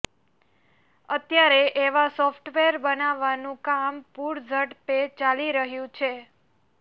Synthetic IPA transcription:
ət̪jaɾeʔeʋasɔfʈʋeəɾbənaʋːanũkampuɾd͡ʒʱəʈpet͡ʃaliɾəɦjũt͡ʃʰe

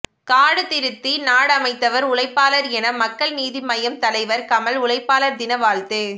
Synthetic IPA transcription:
kaːɽɯt̪ɪɾɯt̪ːinaːɽɐmɐɪt̪ːɐʋɐɾʊlɐɪpːaːlɐɾɛnɐmɐkːɐɭniːðimɐjɐmt̪ɐlɐɪʋɐɾkɐmɐlʊlɐɪpːaːlɐɾd̪ɪnɐʋaːɭt̪ɯ

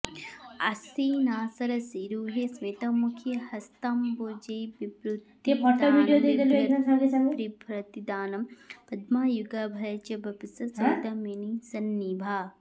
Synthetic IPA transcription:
ɐ̰siːnaːsɐɾɐsiɾuːɦesmet̪ɐmukʰjɐhɐst̪ɐmboːd͡ʒɐjibɾut̪ːiepɔɾʈ̪oʋiːɖijod̪eɡ̪ɐloed̪ɐsaɡɐsɐmepɾipɾɐt̪id̪aːnɐmpɐd̪maːjuɡɐbʱɐjɐt͡ʃɐbʱɐpisɐsɐd̪ɐminisɐnːibʱaː

